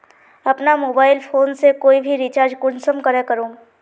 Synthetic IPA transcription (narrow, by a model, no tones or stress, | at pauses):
ɐpnamoːbaːɪlpʰoːnsekoːibʱiɾit͡ʃaːɾd͡ʒkʊnsəmkɐɾekəɾõː